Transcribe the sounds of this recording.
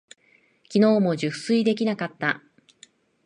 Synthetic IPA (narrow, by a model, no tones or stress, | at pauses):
kʲino̞ːmo̞ʑɨsɨid̪e̞k̬ʲinakat̪ːa